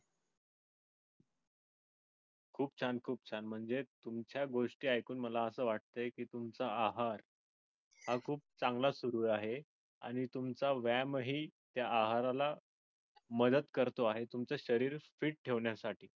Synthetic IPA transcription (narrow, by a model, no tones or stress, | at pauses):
kʰuːp̚t͡ɕʰankʰuːp̚t͡ɕʰanm̤əɳd͡zet̪umt͡ɕjaɡoʂʈiːajkuːnməlaəsəːʋaʈ̚t̪əjkiːt̪umt͡saːɦaɾ | hakʰuːp̚t͡saŋɡlasuɾuːjaɦe | a̰ɽ̃it̪umt͡saʋæmɦiːt̪jaːɦaɾala | məd̪əd̪kəɾt̪oaɦet̪umt͡səɕəɾiːɾfiːʈ̚ʈʰeʋɳjasaʈiː